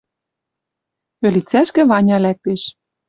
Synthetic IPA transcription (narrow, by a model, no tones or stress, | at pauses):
pø̆lʲit͡sæʃkɘ̆βɑnʲɑlæk̚t̪eʃ